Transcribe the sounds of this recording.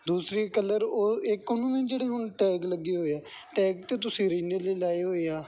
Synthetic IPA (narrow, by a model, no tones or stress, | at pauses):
d̪uːsɾiːkələɾoːɪkːonũːnẽːd͡ʒeːɽeːɦʊnʈɛːkləɡːiːɦoːeɛːʈɛːkt̪eːt̪ʊsĩːɾiːneːleːlaːiːɦoːeːaː